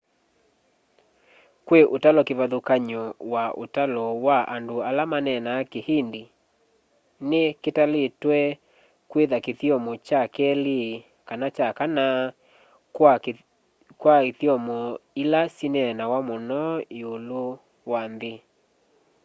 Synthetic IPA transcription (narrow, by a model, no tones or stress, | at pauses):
kweʔotalɔkeβaðokaɲɔwaʔo̰talɔwaʔandoalamanɛnakehende | neketaletwɛ | kweðakeθjɔmɔt͡ʃakɛle | kanat͡ʃakana | kwaeθjɔmɔilasinɛnawamonɔeolo | wanðe